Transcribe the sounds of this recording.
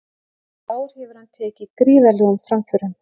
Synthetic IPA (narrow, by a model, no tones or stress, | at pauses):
oːwɾ̥hɪːvʏɾ̥hant̪ʰɛːcɪkɾiːvɛlɛɣʏmfɾamfʏɾʏm